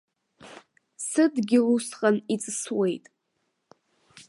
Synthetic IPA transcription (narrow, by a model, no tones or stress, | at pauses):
sɨdɡʲɪlusqʼanit͡sʼɨswe̞jtʼ